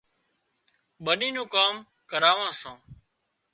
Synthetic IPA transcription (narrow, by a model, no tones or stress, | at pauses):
ɓənĩːnũːkaːm | kəɾaːʋãːsãː